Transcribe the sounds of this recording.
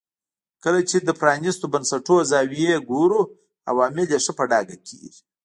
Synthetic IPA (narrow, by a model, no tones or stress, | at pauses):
kəlat͡ʃed̪əpɾɑnist̪obɐnsaʈoazɑwijeɡoɾu | a̰wɑːmɪljeʂəpaɖɑɡakʰiḭ